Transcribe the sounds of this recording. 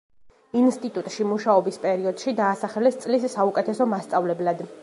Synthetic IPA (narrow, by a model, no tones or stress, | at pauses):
inst̪ʼit̪ʼut̪ʼʃimuʃaɔbispʼɛɾiɔd̪̥ʃid̪aːsaχɛlɛst̪sʼlisːaukʼɛt̪ʰɛsɔmast̪sʼavlɛblad̪